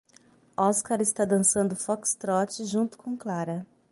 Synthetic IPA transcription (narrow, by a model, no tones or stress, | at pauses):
ɔskaɾɪst̪ad̪ɐ̃sɐ̃nd̪ʊfɔkst̪ɾɔt͡ʃɪʒũnt̪ʊ̥kõw̃klaɾɐ